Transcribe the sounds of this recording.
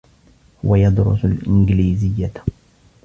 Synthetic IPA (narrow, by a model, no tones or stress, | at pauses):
wajɑd̪ɾʊ̰salʔɪnɡliːzɪjːa